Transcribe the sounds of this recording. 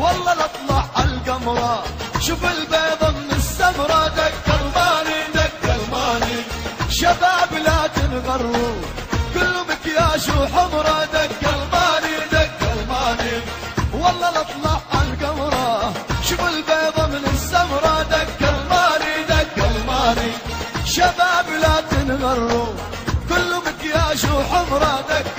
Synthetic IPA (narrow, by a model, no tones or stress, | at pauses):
wɑlˤːɑlɨt̪ˤlɑʕalɡamɾˤɑʃʊfɪlbeːd̪ˤɑmɪnɪsːamɾˤɑd̪akːalmaːnid̪akːalmaːniʃabaːblaːt̪ɪnɣɑɾˤːukʊlːʊmɪkjaːʃuħʊmɾˤɑd̪akːalmaːnid̪aɡːalmaːni | wɑlˤːɑːlɨt̪ˤlɑʕalɡamɾˤɑʃʊbʊlbɑːðˤɑmɪnɪsːamɾˤɑd̪akːalmaːnid̪akːalmaːniʃabaːblat̪ɪnɣɑrˤːu | kʊlːʊmɪkjːʃuħʊmɾˤɑd̪akː